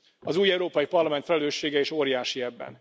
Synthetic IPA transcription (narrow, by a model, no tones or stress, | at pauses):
ɒzuːjɛuɾoːpɒjipɒrlɒmɛnt̪fɛlɛløːʃːeːɡɛeːʃoːɾjaːʃiɛbːɛ̰n